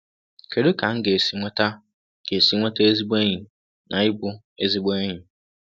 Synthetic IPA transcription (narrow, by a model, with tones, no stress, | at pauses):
kʰe˨dʊ˦kʰã˨˦ŋ̩˦ɡe˨e˨si˨˦ŋʷa˦tʰa˦ | ɡ̥e˨e˨si˨˦ŋʷã˦tʰa˦e˦zi˦ba˦ɲĩ˨ | nã˨˦ɪ˦bʊ˦ | e˦zi˦ba˦ɲĩ˨